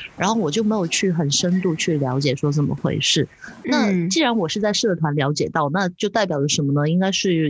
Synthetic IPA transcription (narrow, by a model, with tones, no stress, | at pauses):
ɻɻa˧˥nxo˥˩ʊwɔ˨˩t͡ɕjo˥˩me˧˥ɪjo˨˩ʊt͡ɕʰy˥˩xə˨˩nʂə˥nt̪u˥˧t͡ɕʰy˥˩ljɑ˧˥ʊ̯t͡ɕjɛ˨˩ʂwɔ˥t͡sə˨˩mə̰˦xwḛ˥˧ɪʂɻ̩˥˩na˥˩t͡ɕi˥˩ɻa˧˥nwɔ˨˩ʂɻ̩˥˧t͡sa˥˧ɪʂɤ˥˩t̪ʰwa˧˥nljɑ˧˥ʊt͡ɕjɛ˨˩t̪ɑ˥˩ʊna˥˧t͡ɕjo˥˧ʊt̪a˥˩ɪpjɑ˨˩ə˦˩ʂə˧˥nmə˧nə˧i˥ŋka˥ɪʂɻ̩˥˩